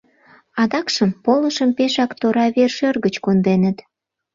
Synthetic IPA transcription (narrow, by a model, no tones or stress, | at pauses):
ɑd̪ɑkʃəmpoləʃəmpeʃɑkt̪oɾɑβerʃørɣət͡ɕkond̪enət̪